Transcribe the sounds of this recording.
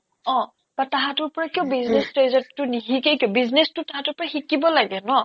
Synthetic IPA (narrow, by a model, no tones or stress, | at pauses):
ɔ̃ | b̥ataɦatʊɹpɔɹakiɔ̃biznestɹejzɔtːʊniɦikekiɔ̃biznestʊtaɦãtʊɹpɔɹaxikibɔlaɡɛnɔ